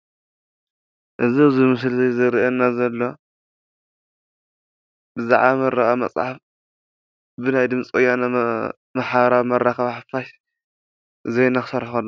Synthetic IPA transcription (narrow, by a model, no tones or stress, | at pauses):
ʔɨziɨzimɨs̬lzejzɨɾiʔɐnːazɐlːo̞ | bɨzaʕβamɐɾɐɣʼamɐ̰t͡sʼʕaf | bɨnajd̪ɨmt͡sʼkʼojana | maħaɾaβmɐɾaxɐβħafaʃ | zɐjnaxɨsɐɾħɐlːɐ